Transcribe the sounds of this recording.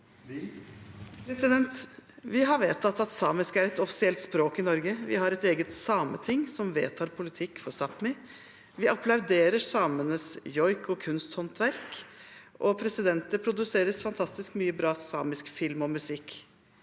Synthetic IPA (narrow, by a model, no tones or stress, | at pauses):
pʰɾɛsɪd̪ɛnt̪ʋɪɦɑɾʋeːt̪ʰɑt̪ːɑt̪sɑːmɪskəæɾɛt̪ɔfɪ̥sɪɛlt̪spɾoːkɪnɔɾɡəʋɪ̰ɦɑɾɛt̪eːɡət̪sɑːmə̰t̪ʰɪŋːsɔmʋḛːt̪ʰɑːɾpʰʊlɪt̪ʰɪkːfɔsɑpmɪ | ʋɪʔɑplɑʉd̪eːɾəsɑːmənəsjɔʏkɔkʰʉnst̪hɔnt̪ʋæɾkʔɔpʰɾɛsɪd̪ɛnt̪əpʰɾʊd̪ʉseːɾəsfɑnt̪ʰɑst̪ɪskmyːəbɾɑːsɑ̰ːmɪskfɪlmɔmʉsɪkː